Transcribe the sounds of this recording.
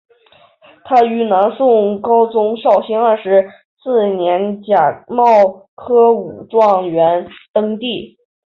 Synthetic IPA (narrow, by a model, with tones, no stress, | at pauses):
t̪ʰa˥y˧˥na˧˥nsʊ˥˩ŋkɑ˥ʊt͡sʊ˥ŋɕjɑ˥˩ʊɕi˥ŋa˞˥˧˩ʂɻ̩˧˥ | sɹ̩˥˩njɛ˧˥nt͡ɕja˨˩mɑ˥˩ʊ | kʰɤ˥u˨˩ʈ͡ʂwɑ˥˩ŋɥɛ˧˥nt̪ɤ˥ŋt̪i˥˩